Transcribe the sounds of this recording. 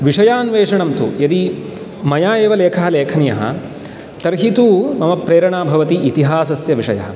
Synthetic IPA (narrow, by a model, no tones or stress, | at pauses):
ʋiʂɐjaːnʋeːʂɐɳɐmt̪ṵjɐd̪i | mɐjaːeːʋɐleːkʰɐɦɐleːkʰɐnijɐ̰ɦɐ̰ | t̪ɐɾɦit̪uːmɐmɐpɾeːɾɐɳaːbʱɐʋɐt̪iʔit̪iɦaːsɐsjɐʋiʂɐ̰jɐ̰ɦɐ